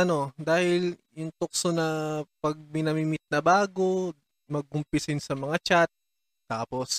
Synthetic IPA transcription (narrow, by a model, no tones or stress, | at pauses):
ɐno̞d̪aːhɪljʊŋt̪ok̚sonɐpɐɡ̚mɪnɐmimɪt̪̚nɐbaːɡo̞ | mɐɡ̚ʊmpɪsɪnsɐmɐŋat͡ʃat̪̚ː | aːpo̞s